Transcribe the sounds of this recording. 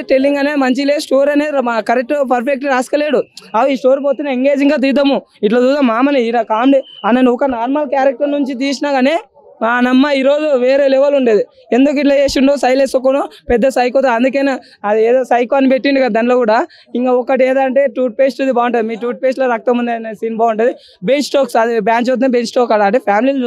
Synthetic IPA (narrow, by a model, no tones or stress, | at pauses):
ʈelːiŋɡɐnemɐɲt͡ʃileːsʈoːɾɐneːikɐɾek̚ʈopɐɾpʰek̚ʈɾaːskɐleːɽuɐʋiːsʈoːɾpoːt̪inɐiŋɡeːd͡ʒiŋɡaːt̪̬id̪ɐmuiʈlot̪uːd̪ɐmaːmɐniiɾakaːmɖiɐnɐnɔkɐnaːɾmɐlkjaːɾɐk̚ʈɐɾnuɲt͡ʃit̪̬iːs̬inaɡaneː | aːnɐmːɐiːɾoːd͡ʒuʋeːɾeːlɛʋɐluɳɖeːd̪i | end̪uk̬iʈ̬loːeːʃuɳɖosɐjlesokːonoːpɛd̪ːɐsɐjkoːt̪ɐɐnd̪uk̬ena | ɐd̪ieːd̪oːsɐjkoɐnipeʈːiɳɖikɐd̪ɐd̪ɐnloːkuːɽaː | iŋkaːɔkːɐʈeːd̪aːɐɳʈe̞ːʈuːʈ̚peːsʈud̪ibaːʋuɳʈɐd̪imiːʈuːʈ̚peːsloːɾɐk̚t̪ɐmund̪ensiːnbaːʋuɳʈɐd̪i | bensʈoːksɐd̪ibaːnt͡ʃot̪̬nebet͡ʃsʈoːkɐɽaɐɳʈeːpʰaːmilil